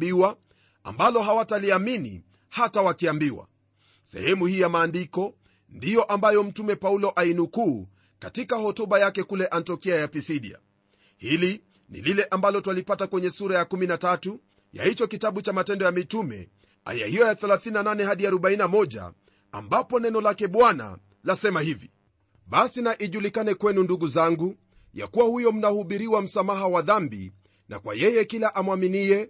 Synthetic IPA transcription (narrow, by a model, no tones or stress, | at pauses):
biwa | a̰mbalɔɦawataliaminḭ | hatawakiambiwa̰ | sɛ̰hɛmuhiːjamaːndikɔ | ndijɔʔambajɔm̩tumɛpaulɔʔainukuː | katikahɔtuɓajakɛkulɛʔantiɔkiajapisiɗḭa̰ | hili | nḭlilɛʔambalɔtwalipatakwɛɲɛsuɾajakuminatatu | ja̰hit͡ʃɔkitaɓut͡ʃamatɛndɔjamitumɛ̰ | a̰ja̰hijɔjaθɛlaθininananɛhaɗiaɾɔɓainamɔʄa̰ | a̰mbapɔnɛnɔlakɛɓwana̰ | lasɛmahivi | ɓasinaʔiʄulikanɛkwɛnunduɡuzaŋɡu | ja̰kuwahujɔm̩nahuɓiɾiwam̩samaɦawaðambḭ | na̰kwa̰jɛjɛkilaʔamwaminiɛ